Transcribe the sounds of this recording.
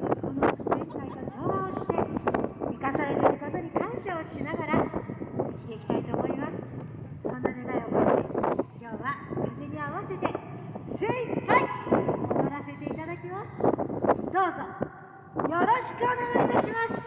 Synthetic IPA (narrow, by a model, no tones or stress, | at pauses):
ko̞nosɨzeŋkait̪ot͡ɕoːoːɕi̥t̪e̞mʲikasaɾet̪eɾɯ̟ko̞t̪o̞ɲ̟ikãɰ̃ɕaoɕinaɡaɾa | kʲi̥t̪e̞ikʲi̥t̪ait̪o̞ːmo̞imasɨ̥ | sõ̞nːaneɡ̪aiobod̪ḛkʲo̞ːβakizeɲ̟iaβase̞t̪e̞zẽpai | aɾase̞t̪e̞it̪ad̪akʲimasɨ̥d̪̥o̞ːzo̞ | jo̞ɾo̞ɕi̥kɯ̟oneɡaid̪aɕimasɨ̥